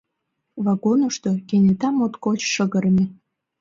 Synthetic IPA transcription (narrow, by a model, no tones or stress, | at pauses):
βɑɣonəʃt̪okenʲet̪ɑmot̪kot͡ɕʃəɣə̆ɾə̆mʲe